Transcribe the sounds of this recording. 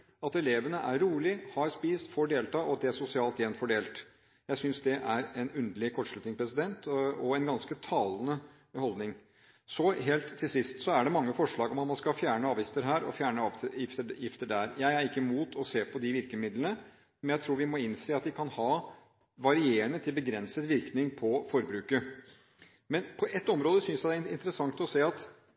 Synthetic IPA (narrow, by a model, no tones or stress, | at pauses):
ɑt̪ɛleːʋənəʔæɾːuːlɪhɑɾspiːst̪foːɖeːlt̪ʰɑːʔɔɑt̪̚d̪ɛæʂʊsɪɑːlt̪jɛnfɔɖeːlt̪ | jæɪsʏnsd̪ɛʔæɾɛnʉnd̪əlɪkʰɔʈːʂlʉt̪ɪŋspʰɾɛsɪd̪ɛnt̪ɔɛnɡɑnskət̪ʰɑːlənə | hɔld̪nɪŋ | sɔɦeːlt̪ʰːɪlsɪst̪sɔæɖɛmɑŋːəfɔʂɭɑːɡɔmɑt̪mɑnskɑfjæːɳəɑːʋjɪft̪əɾɦæːɾɔ̰fjæːɳəɑːʋɪft̪əjɪft̪əɖæɾjæɪæɾɪkːəmuːt̪ʰɔseːpʰɔd̪ɪʋɪɾkəmɪd̪lənə | mɛnjæɪt̪ʰɾuːɾʋɪmɔɪnseːɑt̪ʋɪkʰɑnhɑː | ʋɑɾɪeːəɳət̪ʰɪlbəɡɾɛnsət̪ʋɪɾknɪŋpʰɔfɔɾbɾʉːkə | mɛnpʰɔʔɛt̪ːɔmɾoːd̪əsʏnsjæd̪æɪnt̪əɾəsɑŋkt̪ɔseːɑt̪